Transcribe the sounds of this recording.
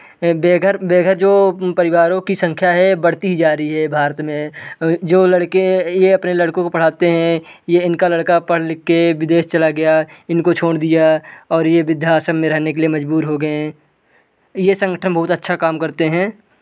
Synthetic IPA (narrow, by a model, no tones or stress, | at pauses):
beːɡəɾbeːɡʱəɾd͡ʒoːpɐɾɪʋaːɾõkisə̃ŋkʰjaɦɛbɐɽ̤t̪iɦid͡ʒaːɾiɦɛbʱaːɾt̪mẽd͡ʒoːlɐɽkejeɐpnelɐɽkõkopɐɽ̤aːt̪eɦɛ̃jeɪnkalɐɽkapɐɽ̤lɪkːeʋɪd̪eːʃt͡ʃɐlaɡɐjaɪnkot͡ʃʰoːɽd̪ijaɔːɾjeʋɪd̪ʱjaːsəmmẽɾɛɦnekeliemɐd͡ʒbuːɾɦoɡɐe | jesə̃ŋɡəʈʰənbɐɦʊt̪ətːʃʰakaːmkɐɾt̪eɦɛ̃ː